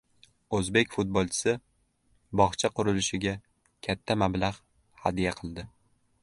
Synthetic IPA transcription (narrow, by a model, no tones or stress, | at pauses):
ɵzbe̞kʲfʊt̪̚bolˠt͡ʃʰɪ̥sɪ | bɒχt͡ʃʰaqʊɾɪlɪʃɪɡʲa | kʲʰat̪ʰːamablaʁ | had̪ijaqʰɨlˠd̪ɪ